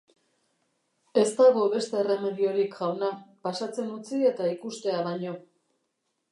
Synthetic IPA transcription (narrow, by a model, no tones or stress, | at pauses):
e̞st̪aɣo̞βe̞st̪e̞ːre̞me̞ðio̞ɾikʝawnapasat͡se̞nut͡sie̞t̪aikust̪e̞aβaɲo̞